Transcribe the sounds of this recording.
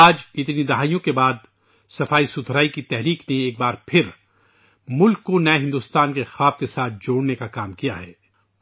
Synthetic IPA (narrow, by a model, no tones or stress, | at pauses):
aːd͡ʒɪt̪nid̪ɐɦaːijõkebaːd̪̚ | sɐfaːisʊt̪ʰɾaːikit̪ɛɦɾiːkneeːk̚baːɾpʰɪɾ | mʊlkːonɐeɦɪ̃nd̪uːst̪aːnkexaːb̚kesaːt̪̚ʰd͡ʒoːɽnekakaːmkijaɦɛː